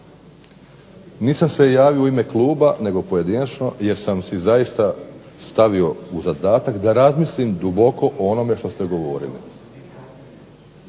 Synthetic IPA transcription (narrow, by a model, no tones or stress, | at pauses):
niːsamsejaːʋioime̞klˠuːbane̞ɡo̞poje̞d̪inat͡ʃno̞je̞ɾsamsizajist̪a | st̪aʋio̞uzad̪aːt̪akd̪aɾazmislimd̪ubo̞ko̞ʔoono̞me̞ʃt̪o̞st̪e̞ɡo̞ʋo̞̰ːɾḭlḭ